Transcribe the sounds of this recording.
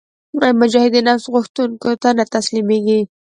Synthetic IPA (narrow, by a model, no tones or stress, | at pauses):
ajmʊd͡ʒɑhɪd̪inɑfst̪ɣʊxt̪uŋkot̪anat̪aslimeɡi